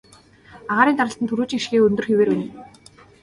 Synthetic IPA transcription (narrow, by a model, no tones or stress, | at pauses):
aʁaːɾiːnt̪aɾə̆ɬt̪ənt̪ʰuɾuːt͡ɕŋiʃxeːɵnt̪ɵ̆rxeweːrwen